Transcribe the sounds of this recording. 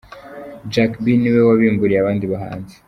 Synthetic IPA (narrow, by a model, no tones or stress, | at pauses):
d͡ʒakbiniwewaβiːmbuɾijaβaːndiβaɦa̰ːnze̥